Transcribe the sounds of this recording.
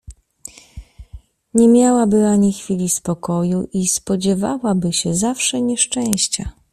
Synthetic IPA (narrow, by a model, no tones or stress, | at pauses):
ɲɛmʲjawabɘaɲixfʲilʲispɔkɔjuʔispɔd͡ʑɛva̰wabɘɕɛzafʂɛɲɛʂt͡ʂɛ̃w̃ɕt͡ɕa